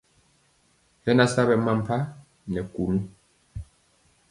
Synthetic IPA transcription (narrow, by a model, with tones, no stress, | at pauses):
hɛ˦na˦sa˦βɛ˨ma˦m˦pʰa˦ | nɛ˨ku˨nu˦